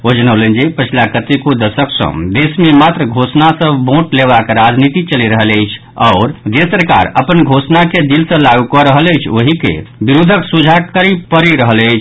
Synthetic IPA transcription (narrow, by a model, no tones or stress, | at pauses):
od͡ʒənəwlənd͡ʒepət͡ʃʰilakət̪ekod̪əsəksə̰̃d̪esmemat̪ɾəɡʱosnasəbʱbõʈlebakɾad͡ʒnit̪it͡ʃəliɾəɦələjt͡ʃʰ | ɔʊɾd͡ʒesəɾka̰ɾə̰pənɡʱosnaked̪ilsə̃laɡukɔɾəɦələjt͡ʃʰoɦikḛbiɾud̪ʱəksud͡ʒʱakəɾipəɾiɾəɦələjt͡ʃʰ